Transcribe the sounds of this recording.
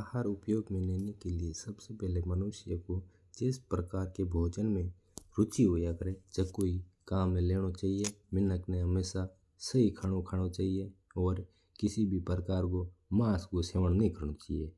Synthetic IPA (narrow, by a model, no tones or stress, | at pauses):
haɾʊpjoːɡmẽneːnekeliesəbsepɛɦlemənʊʃjəko | d͡ʒɪspɾəkaːɾkebʱoːd͡ʒənmẽ | ɾʊt͡ʃiɦoːjakəɾed͡ʒəkoːikaːmːẽleːɽ̃ot͡ʃaːɦijemɪnəknẽɦəmeːʃa | səikʰəɽ̃okʰaɽ̃ot͡ʃaːɦijeɔːɾ | kɪsibʱipɾəkaːɾkomaːskoseːʋəñnəĩkʰəɾɽ̃ot͡ʃaːijeː